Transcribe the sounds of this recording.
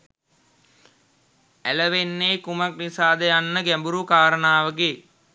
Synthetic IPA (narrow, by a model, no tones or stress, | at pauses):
æləʋenːeːkumak̚nisaːd̪əjanːəɡæmbuɾukaːɾənaːʋəɡeː